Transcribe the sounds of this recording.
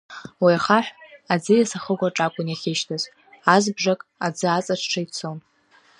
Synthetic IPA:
wijaχaħʷᶣad͡zɨjasaχəɡʷaʈ͡ʂʼakʷʼʊnaχʲɪʃtʰaz | azbʐakʼad͡zɨat͡sʼaʈ͡ʂʰʈ͡ʂʰait͡sʰon

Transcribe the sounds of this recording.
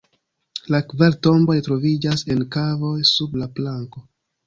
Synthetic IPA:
lakvaɾto̞mbo̞jtɾo̞vid͡ʒase̞nkavo̞jsublaplaŋko̞

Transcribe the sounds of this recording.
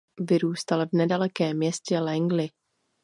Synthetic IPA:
vɪɾuːst̪alvnɛdalɛkɛːmːɲɛscɛlɛŋɡlɪ

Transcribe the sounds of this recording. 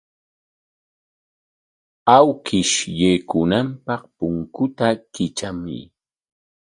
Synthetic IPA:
awkɪʃjekʊnampɑχpʊŋkʊt̪akɪt͡ʃamɪ̰

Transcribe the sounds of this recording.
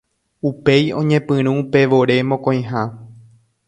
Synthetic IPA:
upe̞jõ̞ɲẽpɨ̃ɾ̃ũːpe̞ʋo̞ɾe̞mõkõj̃ɦa

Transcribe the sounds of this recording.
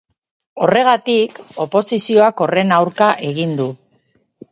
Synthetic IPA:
o̞re̞ɣ̞at̪iko̞po̞sisio̞ako̞re̞nawɾkaʔe̞ɣind̪u

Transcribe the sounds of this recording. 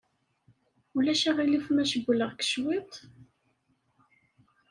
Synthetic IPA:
ulæʃæʁilifmæʃəbələʁkə̥ʃwit̪ˤ

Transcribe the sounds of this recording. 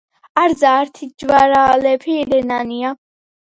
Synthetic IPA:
aɾzaːɾt̪ʰid͡ʒwaɾaːlɛpʰiɾɛnania

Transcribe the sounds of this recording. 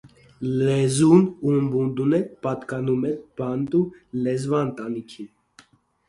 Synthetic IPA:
lɛzunuəmbund̪unɛpɑt̪kɑnumɛnb̥ɑnt̪ulɛzvɑnt̪ɑnikʰin

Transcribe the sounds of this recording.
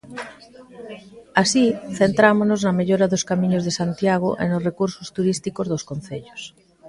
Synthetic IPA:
asiθent̪ɾamoznoznɐmeʎoɾaðoskamĩɲozðesant̪jaɣ̞o̰ʔḛnosrekuɾsost̪uɾist̪ikozðoskon̟θeʎos

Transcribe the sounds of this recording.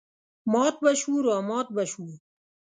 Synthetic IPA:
mɔːt̪̚bɐɕuːɾaːmɔːt̪̚bɐɕuː

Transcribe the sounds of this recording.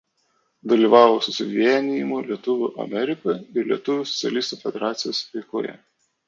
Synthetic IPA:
d̪ɐlʲiːˑʋɑːʋosʊsʲɪʋʲiɛnʲijɪmʊlʲiɛt̪ʊʋʲʊʔɐ̰mʲɛɾʲɪkɐɪɾlʲiɛt̪ʊʋʲʊːsɔ̥t̪sʲɛ̰lʲiːst̪uːfʲɛd̪ʲɛɾɑːt̪sʲɪjoːspʲɛɪko̰ːjɛ̰

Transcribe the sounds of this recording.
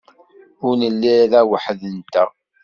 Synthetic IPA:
ʊɾnəlːiðæwəħðənt̪æ

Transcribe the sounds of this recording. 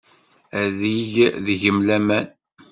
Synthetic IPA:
æðiʝðʝəmlæmæn

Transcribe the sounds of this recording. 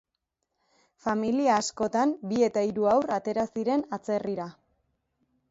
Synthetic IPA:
familiaːsko̞t̪ambie̞t̪aiɾuawrat̪e̞ɾasiɾe̞nat͡se̞riɾa

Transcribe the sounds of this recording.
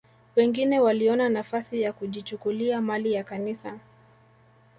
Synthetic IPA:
wɛŋɡinɛwaliɔnanafasijakuʄit͡ʃukuliamalijakanisa

